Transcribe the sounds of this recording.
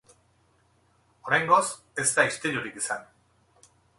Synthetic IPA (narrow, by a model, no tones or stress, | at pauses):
o̞ɾajŋɡo̞s | e̞zt̪aist̪eʎuɾikisan